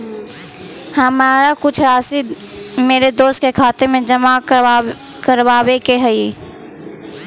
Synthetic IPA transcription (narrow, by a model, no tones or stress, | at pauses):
hɐmaːɾakʊt͡ʃʰɾaːsɪd̪ | meːɾed̪oːst̪̚kekʰaːt̪emẽd͡ʒɐma | kəɾwaːwekeɦɛi